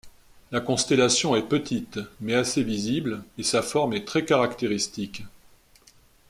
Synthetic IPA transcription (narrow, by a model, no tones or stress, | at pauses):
lakɔ̃st̪elasjɔ̃ɛpət̪ʰit̪mɛaseviziblesafɔʁmɛt̪χɛkaʁakt̪eʁist̪ik